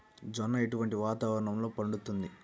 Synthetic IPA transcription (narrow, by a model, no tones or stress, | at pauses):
d͡ʒɐnːɐeʈuʋɐɳʈiʋaːt̪aːʋɐɾɐɳɐmlo̞ːpɐɳɖut̪ːund̪i